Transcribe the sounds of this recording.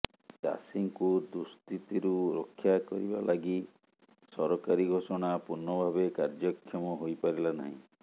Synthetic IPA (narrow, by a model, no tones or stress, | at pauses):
d͡ʒa̰siŋkud̪ust̪it̪iɾuɾokʰːjakɔɾiba̰lʔaɡi | sɔɾɔkaɾiɡʱosɔɽ̃apuɾnːɔbʱabekaɾd͡ʒɔkʰːjɔmɔɦojpaɾilana̰ɦĩ